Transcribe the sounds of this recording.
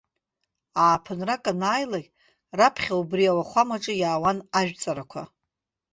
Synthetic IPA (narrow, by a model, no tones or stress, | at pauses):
aːpʰɨnrakʼanaːjlaɡʲʼ | rapʰχʲaubrijawaχʷamaʈ͡ʂʼɨjaːwanaʒᶣt͡sʼaɾakʷʰa̰